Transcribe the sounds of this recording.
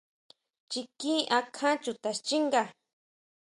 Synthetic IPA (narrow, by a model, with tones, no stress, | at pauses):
t͡ʃi˧kĩ˦ʔa˧kʰã˦t͡ʃu˧t̪a˨st͡ʃi˦ŋɡa˧